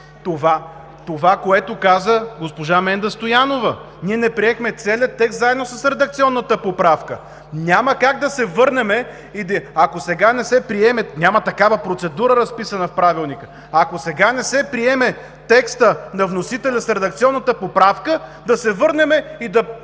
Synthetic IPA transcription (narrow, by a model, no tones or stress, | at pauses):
t̪ova | t̪ovakoɛt̪okazəɡospoʒamɛnd̪ɐst̪ojanovə | niɛnɛpɾiɛxmɛt̪sɛlʲiət̪ːɛkst̪zaɛd̪nosɐsɾɛd̪ɐk̚t̪siɔnːət̪əpopɾafkə̰ | nʲaməkaɡ̚d̪ɐsɛvɤɾnɛmɛ | id̪ɐkosɛɡanɛsɛpɾiɛmɛnʲamət̪ɐkavəpɾot̪sɛd̪uɾəɾɐspisɐnəfpɾavilˠnikə | ɐkosɛɡanɛsɛpɾiɛmɛ | t̪ɛkst̪ənɐvnosit̪ɛlʲɐsɾɛd̪ɐk̚t̪siɔnːət̪əpopɾafkəd̪ɐsɛvɤɾnɛmɛid̪ɐ